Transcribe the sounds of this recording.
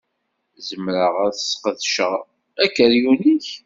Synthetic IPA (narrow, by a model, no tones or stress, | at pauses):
zəmɾəʁæɾθəsːqəðʃəʁ | ækːəɾjuniç